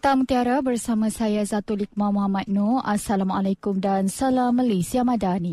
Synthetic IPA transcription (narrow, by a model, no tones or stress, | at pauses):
t̪amut̪iaɾabərsamãsajazat̪ulik̚mãmamãt̪̚noʔasalamalajkumdansalamalesiamãdani